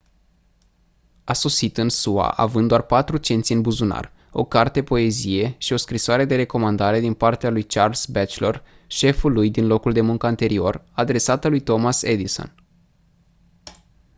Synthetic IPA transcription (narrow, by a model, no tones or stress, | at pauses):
aso̞sit̪ɨnsua̰ʔavɨnd̪oarpat̪ɾut͡ʃe̞nt̪sʲinbuzuna̰r | o̞̰kart̪e̞po̞e̞zije̞ʃio̞skɾisoaɾe̞d̪e̞ɾe̞ko̞mand̪aɾe̞d̪inpart̪ealujt͡ʃarlsbet͡ʃlor | ʃe̞fulujd̪inlo̞kuld̪e̞muŋkəant̪e̞ɾio̞rad̪ɾe̞sat̪əlujt̪o̞mase̞d̪iso̰n